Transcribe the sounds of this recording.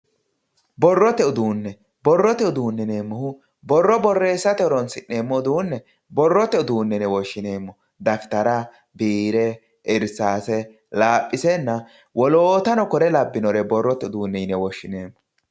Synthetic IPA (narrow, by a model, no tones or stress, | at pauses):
bɔrːɔt̪ɛʊd̪uːnːɛ | bɔrːɔt̪ɛʊd̪uːnːɛneːmːɔhʊ | bɔrːɔbɔrːe̞ːsːɐt̪ɛɔɾɔnsɪʔːe̞ːmːɔʊd̪uːnːɛ | bɔrːɔt̪ɛʊd̪uːnːɛnɛwɔʃːɪne̞ːmːɔ | d̪ɐft̪ɐɾɐ | biːɾɛ | ɪɾsaːsɛ | laːpʼːɪsɛnːɐ | wɔloːt̪ɐnɔkɔɾɛlɐbːɪnɔɾɛbɔrːɔt̪ɛʊd̪uːnːɛnɛwɔʃːɪneːmːɔ